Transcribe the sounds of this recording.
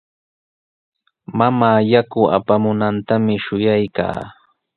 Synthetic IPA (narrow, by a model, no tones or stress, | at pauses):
mamaːjakʊa̰pamʊnant̪amɪʃʊjajka̰ː